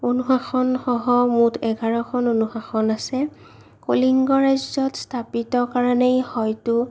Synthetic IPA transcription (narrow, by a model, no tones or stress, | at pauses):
onuxaxɔnxɔɦɔmutʰɛɡʱaɹɔkʰɔnonuxaxɔnasɛ | koliŋɡɔɹajzzɔtstʰapitɔkaɹɔnejhɔjtʊ